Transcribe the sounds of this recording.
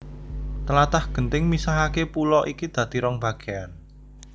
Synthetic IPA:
t̪əlat̪ahɡ̥ənt̪ɪŋmisaɦakepulɔʔikid̪̥ä̤d̪̥i̤ɾɔŋb̥ä̤ɡ̥ean

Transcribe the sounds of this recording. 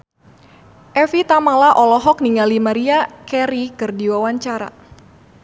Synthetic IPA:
ʔɛfit̪amalaʔɔlɔɦɔk̚niŋalimaɾiakɛɾikɨrdiwawaɲt͡ʃaɾa̰

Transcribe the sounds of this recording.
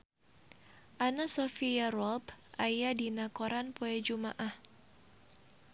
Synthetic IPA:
ʔanasɔfiaɾɔlpʔajadinakoɾanpoɛd͡ʒuma̰ʔah

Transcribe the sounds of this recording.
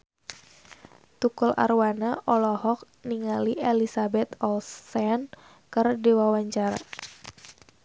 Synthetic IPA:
t̪ukʊlʔa̰rwanaʔɔlɔhɔk̚ | niŋaliʔelisabɛt̪ɔlsɛn | kɨrdiwawaɲt͡ʃaɾa̰

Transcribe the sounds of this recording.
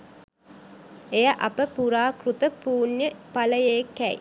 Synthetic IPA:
ejɐʔɐpəpuɾaːkɾut̪əpuːnjɐpɐlɐjeːkɛj̰

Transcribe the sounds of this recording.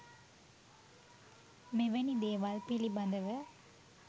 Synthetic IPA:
mɛʋɐnid̪eːʋaːlpɪlibɐnd̪ɐʋɐ

